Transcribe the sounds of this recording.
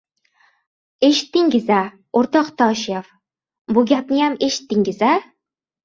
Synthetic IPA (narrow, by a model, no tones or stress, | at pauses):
eʃɪ̥t̪ːɪŋɡʲɪzæ | oɾt̪ɑqt̪ʰɒːʃijɑf | buɡʲæp̚nɪjameʃɪ̥t̪ːɪŋɪzæ